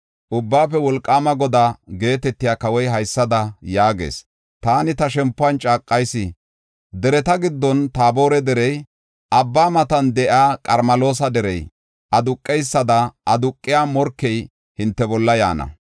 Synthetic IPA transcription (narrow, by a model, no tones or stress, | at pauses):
ʔʊbːaːfɛwɔlkʼːaːmɐɡɔd̪aːɡe̞ːt̪ɛt̪ːɪjaːkɐwɔjɦɐjsːɐd̪ɐjaːɡḛːs | t̪aːnɪt̪ɐʃɛmpːʊɐnt͡ʃʼaːkʼːɐjsɪ | d̪ɛɾɛt̪ɐɡɪd̪ːɔnt̪aːbo̞ːɾɛd̪ɛɾɛj | ʔɐbːaːmɐt̪ɐnd̪ɛʔaːkʼɐɾmɐlo̞ːsɐd̪ɛɾɛj | ʔɐd̪ʊkʼːɛjsːɐd̪ɐɐd̪ʊkʼːɪjaːmɔɾkːɛj | hɪnt̪ːɛbɔlːɐja̰ːnɐ̰